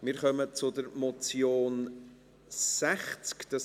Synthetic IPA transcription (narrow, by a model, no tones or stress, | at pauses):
mɪːɾχœmət͡sʊdəɾmɔt͡sjoːn | sæχt͡skd̪̥ɑ